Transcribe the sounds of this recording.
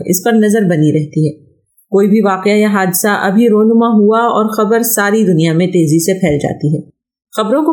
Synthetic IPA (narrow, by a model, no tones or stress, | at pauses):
ɪ̰spɐɾnɐzəɾbɐniɾɛɦt̪iɦɛː | koːibʱiʋaːqɪajaɦaːd̪ɪsaʔɐbʱiɾɔːnʊmaɦuaɔːɾxɐbəɾsaːɾid̪ʊnijamẽt̪eːzisepʰɛːld͡ʒa̰ːt̪iɦɛː | xɐbɾõko